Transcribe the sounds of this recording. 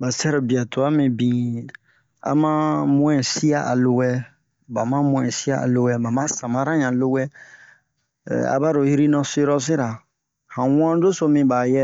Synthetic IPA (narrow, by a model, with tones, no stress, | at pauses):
ba˨sɛ˦ɾo˨bi˨a˨to˨a˦mĩ˨bĩ˨ | a̰˨mã˦mũ˦ɛ̃˨si˦a˦ʔa˨lo˧wɛ˦ | ba˨mã˦mũ˨ɛ̃˨si˦a˦a̰˨lo˧wɛ˦ba˨mã˦sã˨mã˨˦ɾã˦ɲã˨lo˦wɛ˦˨ | a̰˨ba˦ɾo˨hi˦ɾi˦nɔ̃˦se˦ɾɔ˦s̬i˦ɾa˨ | hã˨wã˦do˦so˧mĩ˨ba˨jɛ˦